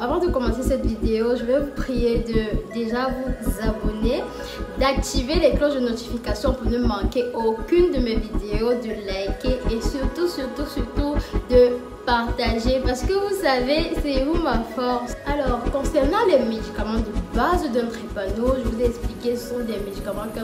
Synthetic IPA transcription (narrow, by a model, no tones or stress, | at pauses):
avɑ̃d̪əkɔmɑ̃sesɛt̪vid̪eoʒəvɛvupχijed̪əd̪eʒavuzabɔne | d̪ak̚t̪ivelɛklɔʃd̪ənot̪i̥fikasjɔ̃pønəmɑ̃keokʲynd̪əmevid̪eod̪əlajkeʔesyʁt̪usyʁt̪usyʁt̪ud̪ə | paʁt̪aʒepaʁsə̥kəvusavesɛvumafɔʁsalɔʁkɔ̃sɛʁnɑ̃lɛmed̪ikamɑ̃d̪əbazd̪ɛ̃t̪χipanoʒəvuzɛɛksplikesəsɔ̃d̪ɛmed̪ikamɑ̃k